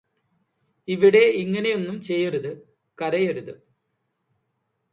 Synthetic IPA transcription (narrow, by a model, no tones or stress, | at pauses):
iʋiɽe̞iŋːɐne̞jonːumt͡ɕe̞jːɐɾuðɨ | kɐɾɐjɐɾuðɨ